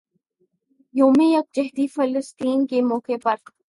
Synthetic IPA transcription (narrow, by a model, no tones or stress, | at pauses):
joːmejɐk̚d͡ʒɛɦd̪ifɐləst̪iːnkemɔːkepɐɾ